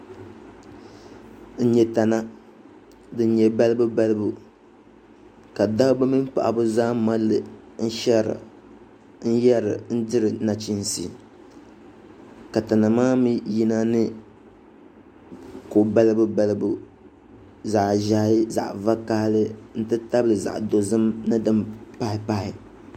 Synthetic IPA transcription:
n̩˦ɲɛ˨ta˨na˦ | dɨ˨˦ɲɛ˨ba˦lɨ˦bɨ˦ba˦lɨ˦bu˨ | ka˨da˦ba˦mi˦m˦pa̰˨ʔa̰˨bʊ˦zaː˦ma˦lːɨ˨ | n̩˦ʃɛ˦ɾɨ̰˨ | n̩˦jɛ˦ɾɨ̰˨n̩˦dɪ˦ɾɨ˨na˨t͡ʃi˦n˨sḭ˨ | ka˨ta˨na˨maː˦mi˦ji˦na˦nɨ˦ | ko˨ba˦lɨ˦bɨ˦ba˦lɨ˦bu˦ | za˨ʔʒa˨hɪ˦za̰˨ʔva˦ka˦hlɨ˦n̩˦tɨ˦ta˦blɨ˨za̰˨ʔdo˨zɨ˦mnɨ˦dɨ˦mpa˦hɪ˨pa˦hɪ˨

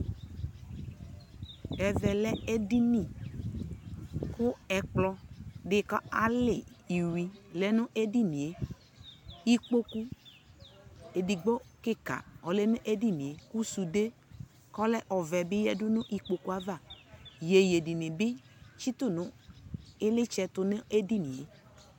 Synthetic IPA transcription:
ɛ˨vɛ˨lɛ˦e˦di˦nĩ˦˨ | kʊ˦ɛ˨k͡plɔ˦dɪ˨kɔ˦a˨lɪ˨i˨wi˨lɛ˨nʊ̃˦ʔe˦di˦nĩ˨e˨ | i˦k͡po˦ku˦ | e˨di˨ɡ͡bɔ˦kɪ˦ka̰˨ɔ˨lɛ˦nʊ̃˦ʔe˦di˦nĩ˨e˨ku˦su˨de˦ | kɔ˦lɛ˦ʔɔ˨vɛ˨bɪ˦jɛ˦dʊ˦nʊ̃˦ʔi˦k͡po˦ku˦a˦va˦˨je˨je˨di˨nɪ̃˨bɪ˦ | t͡ʃi˦t̪ʊ˦˨nʊ̃˦ | ɪ˦lɪ˦t͡ʃɛ˨t̪ʊ˨ne˦ʔe˦di˦nĩ˨e˨

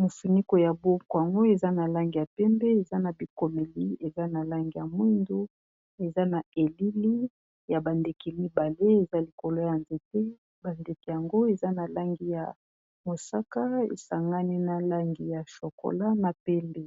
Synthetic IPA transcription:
mo˨fu˨ni˦ko˨ja˨bo˦ko˨a˨ŋɡo˦e˨za˦na˨la˦ŋɡi˨ja˨pɛ˦mbɛ˦e˨za˦na˨bi˨ko˨me˨li˦e˨za˦na˨la˦ŋɡi˨ja˨mwi˦ndu˦ | e˨za˦na˨e˨li˦li˦ | ja˨ba˨nde˨ki˨mi˦ba˨le˦e˨za˦li˨ko˨lo˦ja˨nze˨te˦ | ba˨nde˨ki˨ja˨ŋɡo˦e˨za˦na˨la˦ŋɡi˦ja˨ | mo˨sa˦ka˦ḛ˨sa˨ŋɡa˦ni˦na˨la˦ŋɡi˨ja˨ʃo˨ko̰˨la˦na˨pɛ˦mbe˦˨

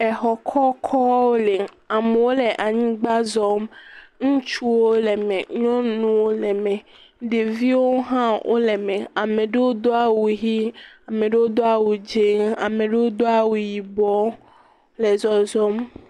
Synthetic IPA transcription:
ɛ˨ɦɔ˨kʰɔ˦kʰɔ˦wo˦le˨ | a˨me˨wo˦le˨ʔa˨ɲĩ˦ɡ͡ba˦zɔ˦mŋũ˦t͡ʃu˦wo˦le˨mẽ˨ɲɔ̃˦nũ˦wo˦lɛ˨mɛ̃˨ | ɖe˨vi˦wo˦ɦã˦wʔo̰˦le˨mẽ˨a˨mẽ˨ɖe˦wo˦d̪o˦a˨wu˨ɦi˦a˨mẽ˨ɖe˦wo˦d̪o˦a˦wu˨d͡ʒe˦ŋa̰˨mẽ˨ɖe˦wo˦d̪o˦a˨wu˨ji˨bɔ˦ | le˨zɔ˨zɔ˦m

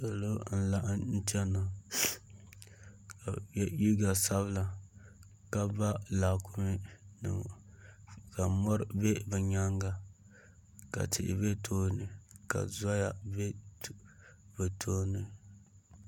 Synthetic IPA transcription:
a˨lo˦n̩˦la˨ʔn̩˦t͡ʃɛ˦na˨ | ka˨˦ji˦ɡa˨sa˦βɨ˦la˨ | ka˦ba˦laː˨kʰʊ˦mɪ˦nɨ̰˨ | ka˨mɔ˦ɾbe˦bɨ˨ɲa˦ŋɡa˨ | ka̰˨tɪ̰˨ʔɪ̰˨be˦tʰoː˦nɨ˨ka̰˨za˦ja˨be˦ | bɨ˨tʰoː˦nɨ˨

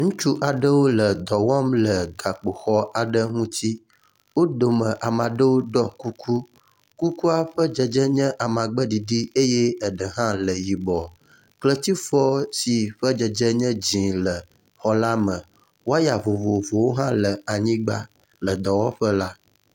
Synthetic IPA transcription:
ŋũ˦t͡ʃu˦ʔa˨ɖə˦wo˦lə˨d̪ɔ˨wɔ˦mlə˨ɡa˨k͡po˨xɔ˦a˨ɖə˦ŋũ˦t̪i˦ | wo˦do˨mə̃˨ʔa˨mã˨ɖə˦wo˦ɖɔ˦ku˦kʰu˦ | ku˦ku˦a˦ɸə˦d͡ʒɛ˨d͡ʒɛ˦ɲɛ̃˦ʔa˨mã˨ɡ͡bə˦ɖi˨ɖi˦e˦jɛ˦ə˨ɖə˨ɦã˦lə˨ji˨bɔ˨ | klə˦t̪i˦fɔ˦si˨ɸə˦d͡ʒə˨d͡ʒɛ˦ɲɛ̃˦d͡ʑĩ˨lə˨ | xɔ˨la˦mə̃˨ | wo˦a˦ja˨vo˨vo˨vo˨wo˦ɦã˦lə˨a˨ɲĩ˦ɡ͡ba˦ | lə˨d̪ɔ˨wɔ̃˦ɸə˦la˦

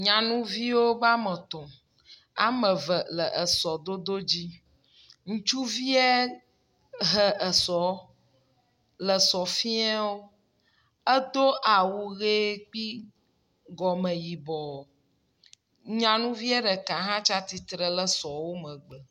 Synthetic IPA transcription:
ɲã˨nũ˦vi˦wo˦ba˦mə̃˨t̪ɔ̃˨ | a̰˨mə̃˨və˨lə˨ʔə˨sɔ˨d̪o˦d̪o˦d͡ʑi˦ | ŋũ˦t͡ʃu˦vi˦ɛ˦ | ɦə˦ʔə˨sɔ˨ | lə˨sɔ˨fĩ˦ɛ˦wo˦ | ə˦d̪o˦ʔa˨wu˨ɣe˦k͡pi˦ | ɡɔ˨mə̃˨ji˨bɔ˨ | ɲã˨nũ˦vi˦ɛ˦ɖə˨ka˨ɦã˦t͡ʃa˦t̪i˨t̪ɾə˨lə˦sɔ˨wo˦mə̃˨ɡ͡bə˨

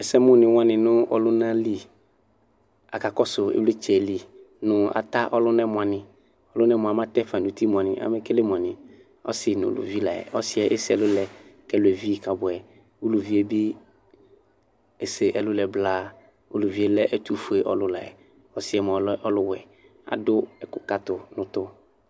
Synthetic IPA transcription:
ɛ˨sɛ˦mʊ̃˦nɪ̃˨wʊ̃˦ã˦nɪ̃˨nʊ̃˦ɔ̰˨lʊ˦nã˦li˦ | a̰˨ka˨kɔ˦sʊ˨ḛ˦ble˦t͡ʃɛ˨li˨ | nʊ̃˨a̰˨t̪a˦ʔɔ˦lʊ˦nɛ˦mʊ̃˨a˨nɪ̃˨ | ɔ˦lʊ˦nɛ˦m˨a˨mã˦t̪ɛ˦fã˨nu˨t̪i˦m̃˨a˨nɪ̃˨ʔa̰˨˦mɛ˦kɛ˦le˦m˨a˨nɪ̃˨ | ɔ̰˦sɪ˨nʊ̰̃˨lʊ̰˨vi˦la˨ɛ̰˨ʔɔ˦sɪ˦ɛ˨ʔe˦sɪ˦ɛ˨lʊ˦lɛ˨kɛ˦lʊ˨ɛ˨vi˦˨ka˨bʊ˨ɛ˨ | u˦lu˨vi˨˦e˦bɪ˦ | e˨se˨ʔɛ˨lʊ˦lɛ˨blaː˦ | ṵ˦lu˨vi˨e˦lɛ˦ʔɛ˦t̪u˦fu˨e˨ʔɔ˦lʊ˦la˨ɛ̰˨ | ɔ˦sɪ˦ɛ˨m˨ɔ˨lʔɔ˦lʊ˦wɛ˨ | a̰˨dʊ˦ɛ˨kʊ˦˨ka˦t̪ʊ˨nʊ̃˨t̪ʊ˦

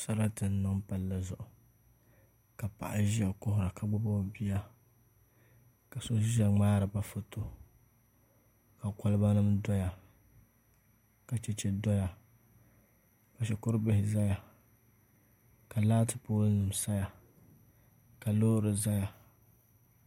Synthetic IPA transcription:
sa˦ɾa˦tɨ˨n˦nɨ˦ŋpa˨lːa˨zʊ˨ʔʊ˨ | ka˨pa̰˨ʔa˨ʒa˨kʊ˦hʊ˦ɾa˨ka˨ɡ͡bʊ˦bo˦˨bi˦ja˦ | ka˨so˦ʒa˨ŋ͡maː˦ɾɨ˨ba˦fʊ˦tʰo˦ | ka˨kɔ˦lɨ˦ba˦nɨ˦mdɔ˦ja˨ | ka˨t͡ʃɛ˦t͡ʃɛ˦dɔ˦ja˨ | ba˨ʃɛ˨kʊ˦ɾɨ˦bɪ˦hɪ˨za˦ja˨ | ka˨laː˦tɨ˨poː˦nɨ˨m˨sa˦ja˨ | ka˨loː˦ɾɨ˨za˦ja˨

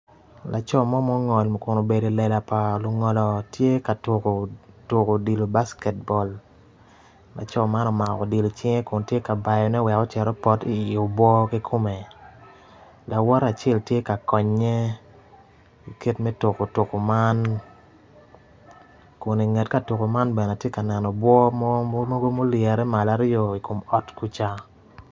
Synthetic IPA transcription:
lʔa˨t͡ʃɔ˦˨mɔ˦mɔ˦ŋɔ˨lm˨kʊ˨no˨be˨de˨lɛ˨la˨pa˨lʊ˨ŋɔ˨lɔ˨tje˦ka˨tʊ˨ko˨tʊ˨ko˨di˨lo˨ba˦skɛ˨t̚bɔ˨l | la̰˨t͡ʃɔ˦ma˦nɔ˨ma˨kɔ˨di˨lo˨t͡ʃɪ˦ŋe˦kʊ˨ntje˦ka˨ba˨jɔ˨nɛ˦wɛ˨kɔ˦t͡ʃɛ˨ɾɔ˦pɔ˦ti˦ɪ˨o˨bwɔ˦ki˦kʰo˦me˨ | la˨wɔ˦ɾa˨t͡ʃɛ˦˨ltje˦ka˨kɔ˨ɲːe˦ | i˨ke˦tmɛ˦tʊ˨ko˨tʊ˨ko˨ma˦n | ko˨ni˨ŋɛ˨tka˦to˨ko˨ma˦nbɛ˨n˨a˨tje˦ka˨nɛ˨nɔ˨bwɔ˦m˦mo˦ɡo˦mo˦ljɛ˨ɾɛ˦ma˨la˦ɾɪ˦ɔ˨i˨ko˨mɔ˨tku˦t͡ʃa˦

